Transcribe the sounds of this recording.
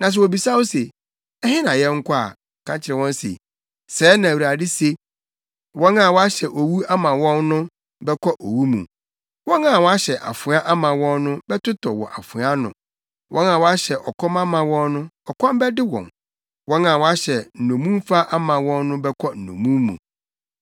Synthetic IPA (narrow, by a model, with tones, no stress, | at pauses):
nã˨s̬ɛ˨wɔ˨bi˨sa˦wo˦se˨ | ɛ˦hɪ̃˦nã˨jɛ̃˦ŋ̩˦kʰʷɔ˦a̰˨ | kʰã˦ɲt͡ɕʰɪ˨ɾɛ˨wɔ̃˦n˦sḛ˨ | sɛː˨˦nã˨wɾa˨dɪ˦se˦ | wɔ̃˦nã˨wɔ˦a˦ɕɛ˨ʔo˨wu˦a˦mã˨wɔ̃˦nnʊ̃˦ | bɛ˦kʰɔ˦ʔo˨wu˦mṵ̃˨ | wɔ̃˦nã˨wɔ˦a˦ɕɛ˨ʔa̰˨fʊ̃˨˦a˦ʔa˦mã˨wɔ̃˦nːʊ̃˦bɛ˦tʊ˦tʰɔ˨wɔ̰˨ʔa˨fʊ˨˦a˦nʊ̰̃˨ | wʔɔ̃˦nã˨wɔ˦a˦ɕɛ˨ʔɔ˨kʰɔ̃˦mã˦mã˨wɔ̃˦nːʊ̃˦ɔ˨kʰɔ̃˦mbɛ˦dɪ˦wɔ̰̃˨n | wɔ̃˦nã˨wɔ˦a˦ɕɛ˨n̩˨nõ˨mũ˦m˦fa˦ʔa˦mã˨wɔ̃˦nːʊ̃˦bɛ˦kʰɔ˦n̩˨õ̰˨mũ˦mːṵ̃˨